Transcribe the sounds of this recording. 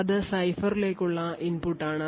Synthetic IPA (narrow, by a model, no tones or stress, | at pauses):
ɐðɨsɐjfɐrile̞ːkʲːuɭːɐʔinpuʈːaːɳɨ